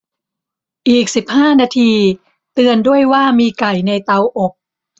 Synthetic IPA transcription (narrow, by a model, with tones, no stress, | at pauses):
ʔiː˨˩k̚si˨˩p̚haː˥˩naː˧t̪ʰiː˧ | t̪ɯ˧əndu˥˩əjwaː˥˩miː˧ka˨˩jna˧jt̪a˧wʔo˨˩k̚